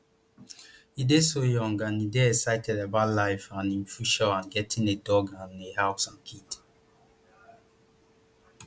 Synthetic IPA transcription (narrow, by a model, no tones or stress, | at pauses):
idesojɔ̃ŋɡãnideɛsaɪtʰɛdabalaɪfãnĩmfuʃɔãnɡɛtʰĩnedɔɡãnehaʊpsãnkʰit